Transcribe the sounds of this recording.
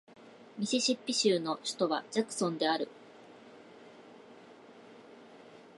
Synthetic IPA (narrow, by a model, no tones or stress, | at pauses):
mʲisiɕipʲːiɕɨːno̞ɕi̥t̪o̞βad͡ʑakɯ̟̥sõ̞nd̪e̞aɾɯ̟̰